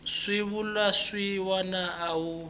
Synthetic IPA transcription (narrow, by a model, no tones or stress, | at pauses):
ʂiβulwaʂiwanaawu